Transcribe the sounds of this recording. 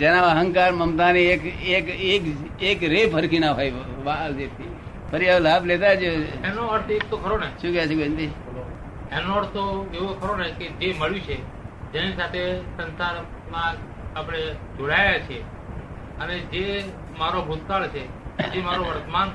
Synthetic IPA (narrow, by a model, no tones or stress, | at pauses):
d͡ʒenaəɦə̃ŋkaɾməmt̪aniekekek | ekɾefəɾkinabʱai | ʋald͡ʒet̪ʰi | pʰəɾiaʋlabled̪ad͡ʒoɛnoəɾt̪ʰek̚t̪okʰəɾoneʃũkɛat͡ʃʰekent̪i | enoəɾt̪ʰoɡeokʰəɾoneked͡ʒeməɭjũt͡ʃʰe | d͡ʒɛnisat̪ʰesənsaɾ | mã | apəɽ̃ed͡ʒoɽajat͡ʃʰe | əned͡ʒe | maɾobʱut̪kaɭt͡ʃʰed͡ʒemaɾoʋəɾt̪man